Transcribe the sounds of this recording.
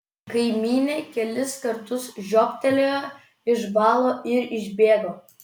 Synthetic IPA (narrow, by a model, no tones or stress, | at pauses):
kɐɪmʲiːnʲekʲɛlʲɪskɐɾt̪ʊsʒʲoːpʲt̪ʲɛlʲojɛ | ɪʃbɑːlˠoːʔɪɾɪʒʲbʲeːɡoː